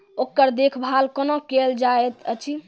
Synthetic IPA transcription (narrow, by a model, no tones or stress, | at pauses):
okːəɾd̪ekʰbʱalkənokeld͡ʒaet̪ət͡ʃʰi